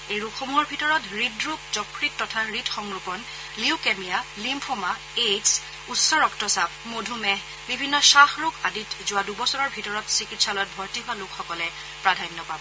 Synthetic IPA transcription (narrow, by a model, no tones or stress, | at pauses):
ejɹukxomuɦɔɹbʱitɔɹɔtɹidɹuk̚zɔkʰɹitːɔtʰaɹidxɔŋɹupɔn | liukemijalimpʰoma | eds | utsɔɹɔktɔsabp̚modʱumɛ | bibʱinːɔʃaxɹʊkaditzʊwadubɔsɔnɔɹbʱitɔɹɔtsikitsalɔjt̚bʱɔɹtiɦʊalʊkxɔkɔlɛ | pɹadʱajnːɔpabɔ